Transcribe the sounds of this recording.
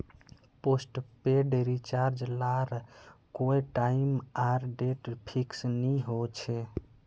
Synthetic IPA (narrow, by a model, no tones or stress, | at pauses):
posʈpeɖɾit͡ʃaɾd͡ʒlaɾkojʈaimaɾɖeʈpʰiksniɦot͡ʃʰe